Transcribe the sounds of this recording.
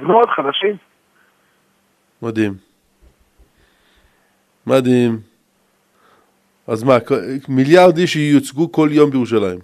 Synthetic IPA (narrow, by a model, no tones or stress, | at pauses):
znood̪χad̪aʃim | mad̪im | mad̪im | azmakmiljaʁd̪iʃɛjut͡sɡukoljombejiʁuʃ̬alajim